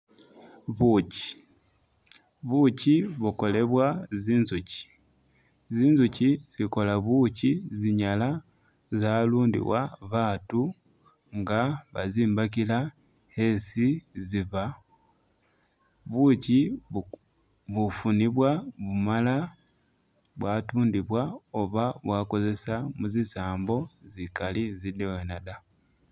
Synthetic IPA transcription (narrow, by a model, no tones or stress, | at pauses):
βuci̥ | βuciβuko̞le̞βwaziːnzuci̥ | ziːnzuciz̥iko̞laβuciziɲala | zaːluːndḭwa̰βaːtu | ŋɡaβaziːmbak̬ila | he̞siziβa | βuci | βufuniβwaβumala | βwaːtuːndiβwaoβaβwaːko̞ze̞samuzisaːmbo̞zikalizidewenada